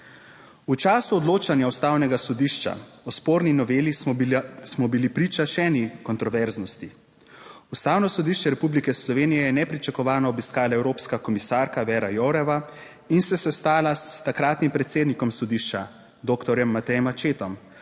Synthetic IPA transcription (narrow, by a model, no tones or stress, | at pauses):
ut͡ʃaːsuɔd̪loːt͡ʃanjaust̪aːwnɛɡasɔd̪iːʃt͡ʃa̰ɔspoːɾninɔʋeːli | smɔbilipɾiːt͡ʃaʃɛːnikɔnt̪ɾɔʋɛɾznɔst̪i | ust̪aːwnɔsɔd̪iːʃt͡ʃɛɾɛpublikɛslɔʋeːnijɛjɛnɛpɾit͡ʃakɔʋaːnɔːbiskaːlaɛwɾoːpskakɔmisaːɾkaʋɛːɾajoɾɛʋa | insɛsɛst̪aːlast̪akɾaːt̪nimpɾɛt̪seːd̪nikɔmsɔd̪iʃt͡ʃa | d̪oːkt̪ɔɾjɛmːat̪ɛjɛmat͡ʃeːt̪ɔm